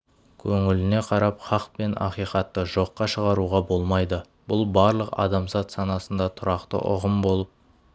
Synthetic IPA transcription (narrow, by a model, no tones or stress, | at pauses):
kʲʰɵŋɪlɪne̞qʰɑɾɑpχɑqpe̞nʔɑ̰qijqɑt̪ːəʒo̞qːɑʃəʁɑɾuʁɑbo̞lˠmɑjd̪ə | bʊlˠbɑɾlˠəqɑ̰d̪ɑmzɑt̪sɑnɑsənd̪ɑt̪ʰʊɾɑqt̪ə̰ʔʊ̰ʁəmbo̞lˠəp̚